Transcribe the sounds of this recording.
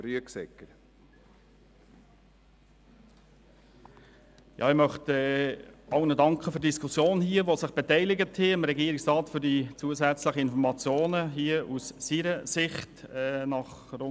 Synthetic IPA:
ɾyəksɛ̰kːəɾ | jɑ̰ːɪmœχtɛːɑʊnədɑŋkχəfʏdd̥iskʰʊsjoːnhiːəʋosɪχb̥etɛɪlɪɡəthɪɪmɾɛɡiːɾɪksrɑːtfʏɾdit͡suːəsæt͡sləχəɪnfɔɾmɑt͡sjoːnəɦiəussiɾəsɪχtɛːnɑχro

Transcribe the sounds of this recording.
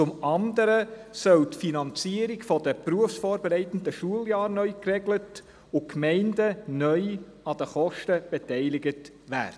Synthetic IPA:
ʊmɑnd̪əɾəsœltfinɑnt͡siəɾikfɔdəpruəfsfɔːɾbeɾɛɪt̪ən̩dəʃuəljɑːɾnœʏkrɛɡlət | ʊkmɛɪndənœʏ | ɑd̥̪əχɔʃtəb̥ɛtɛɪlɪɡət | ʋæ̰ːd̥ə

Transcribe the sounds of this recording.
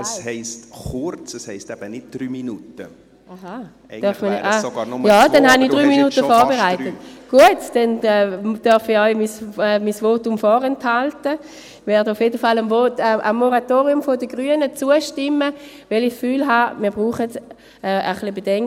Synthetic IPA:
ɛshɛɪstχʊɾt͡səshɛɪstɛb̥ənɪd̚d̪̥ɾyːminutə | aɦa | d̥œɐfmənaɑnjɑːdɛnhani̥ʁyːminutəfɔːʁbeʁaɪtətɡ̥uətd̥ɛnɛd̥œɐfiɔʏmisɛmisvoːtʊmfɔːʁɛnthaltə | vɛːɐdəʊfjeːdəfalamvoːtɛʔa̰mːoʁatoːʁjʊmfodəɡʁyənət͡suəʃtɪmːə | vɛlisfyːlɦamiːɐbʁuːχəd | ɛʔəχlibedɛŋk

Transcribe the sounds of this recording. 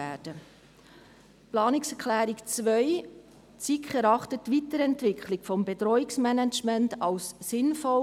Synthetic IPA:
æːd̥ə | plɑːnɪksɛkχlæːɾikt͡sʋœj | t͡sikχɛɾɑχtətːʋitəɾɛntʋɪkʰχlɪkfɔmbetɾɔiksmɛnæt͡ʃmɛntɑlsːɪnfɔ

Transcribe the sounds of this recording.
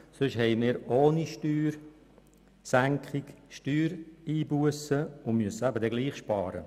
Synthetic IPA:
sʏʃhɛɪmɪːɾoːniʃtyːɾ | sæŋkχikʃtyːɾiːbuəsəʊnmyəsəæbədɛɡliːχʃpɑ̰ːɾə̰

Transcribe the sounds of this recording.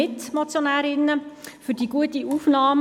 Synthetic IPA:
ɪtmat͡sjonæːɾɪnəfydiɡ̥uətiufnɑːm

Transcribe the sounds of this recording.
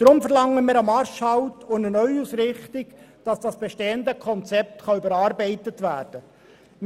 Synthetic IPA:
d̥ɾʊmfəɾlɑŋəmiːɾɑmɑɾʃhɑʊtʊnənœʏusɾɪχtɪk | d̥ɑsd̥ɑsb̥ɛʃteːəndəkʰɔnt͡sɛp̚tχɑybəɾɑːɾbɛɪtətʋæːɾd̥ə | m

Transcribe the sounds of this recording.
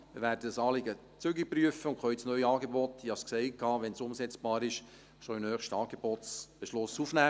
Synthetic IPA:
ɪːʋæːɾdədəsɑːlɪɡə | t͡sʏɡipryəfəʊŋkχœʏsnœʏjɑːɡebɔt̪ːiɑsksɛɪkʰːɑːʋɛnsʊmsɛt͡sb̥ɑːɾɪʃ | ʃoinhœːχʃtɑːɡ̥eb̥ɔtt͡sb̥eʃlʊsufnæː

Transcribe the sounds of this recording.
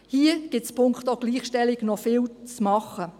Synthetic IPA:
hiːəɡ̥ɪtspʰʊŋktoɡ̥liːχʃtɛlɪɡnɔfɪːlt͡smɑχə

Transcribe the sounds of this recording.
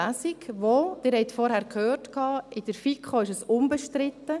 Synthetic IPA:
æsikʋoːd̥ɪːɾhɛɪtfɔɾhæɾkhøːrtkʰɑːɪd̥əɾfikχoɪʃəsʊmbəʃtɾɪt̪ːə

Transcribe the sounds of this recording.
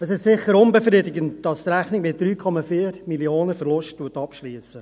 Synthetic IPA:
əsɪʃtsɪχəɾʊnbɛfɾidɪɡəntd̥ɑst̪ɾæχnɪɡmɪt̚d̥ɾyːkʰɔmɑfiːəɾmilioːnəfəɾlʊsttuːtːɑpʃliːsə

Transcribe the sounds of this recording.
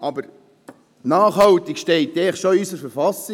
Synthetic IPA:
ɑbəɾ | nɑːχhɑwt̪ikʃtɛɪtːɛːχʃoysəɾfəɾfɑsi

